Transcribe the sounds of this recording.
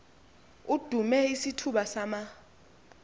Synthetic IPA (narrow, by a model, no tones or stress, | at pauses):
ud̥ʱumɛisitʰuɓasama